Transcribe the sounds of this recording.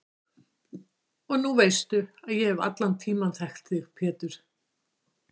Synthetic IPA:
ɔɣnuvejst̪ʏaðjɛɛva̰t̪lant̪ʰiːmanθɛxt̪ɪɣpʰɛːt̪ʏɾ̥

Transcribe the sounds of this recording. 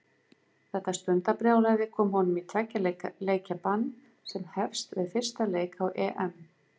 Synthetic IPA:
θɛht̪ːast̪ʏnt̪apɾjaːwlaɣðɪkʰɔːmɔwnʏmit̪ʰɾɛcːalleːjcapanː | sɛmhɛfst̪vɪðfɪr̥st̪aleːjkawʔɛːʔɛm

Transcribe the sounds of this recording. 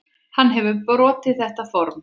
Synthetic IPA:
hanːɦɛvʏpɾɔːt̪ɪðθɛht̪afɔɾm

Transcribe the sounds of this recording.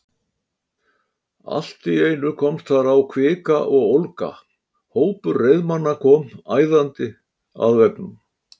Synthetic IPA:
a̰l̥t̪ɪeːjnʏkʰɔmst̪θaɾawkʰvɪːkaʔɔɣowlka̰ | hoːwpʏɾːejðmanːakʰɔːmaːjðant̪ɪ | a̰ðvɛknʏm

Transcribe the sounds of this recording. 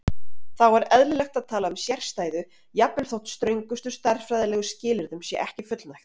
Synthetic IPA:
θawvaɾɛðlɪlɛxt̪aðt̪ʰaːlaʏmsjɛr̥st̪aːjðʏ | japːɛlθowht̪st̪ɾœɥjŋkʏst̪ʏst̪ar̥fɾajðɪlɛːɣʏscɪːlɪɾðʏmsjɛʔɛhcɪfʏt̪lnajxt̪

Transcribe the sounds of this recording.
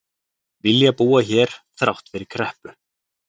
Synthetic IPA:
vɪljapuːaçɛːɾ̥θɾawht̪fɪɾɪɾ̥kʰɾɛhpʏ

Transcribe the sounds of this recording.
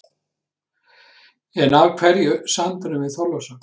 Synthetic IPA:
ɛnavkʰvɛɾjʏsant̪aɾʏmvɪθɔlasa

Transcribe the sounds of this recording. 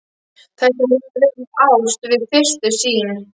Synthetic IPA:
θʰasɛmɪpɾeɪawst̪vɪðfɪr̥t̪ʏsiːn

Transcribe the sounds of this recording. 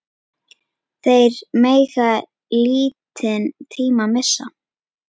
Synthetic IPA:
θejɾmeːjɣa | liːt̪ʰɪnt̪ʰiːmamɪsːa̰

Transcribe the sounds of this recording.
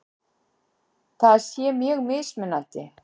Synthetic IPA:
θaðsjɛmjɛɣmɪðsmɪnːant̪ɪ

